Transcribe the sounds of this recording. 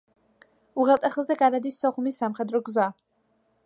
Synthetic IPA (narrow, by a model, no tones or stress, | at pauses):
uʁɛlˠt̪ʼɛχəlˠzɛɡad̪ad̪isːɔχumisːamχɛd̪ɾɔɡza